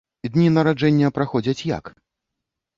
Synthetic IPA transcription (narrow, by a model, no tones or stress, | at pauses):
d̪ʲnʲinɐɾad͡ʐɛnʲːɐpɾaxɔd͡zʲɐt͡sʲja̰k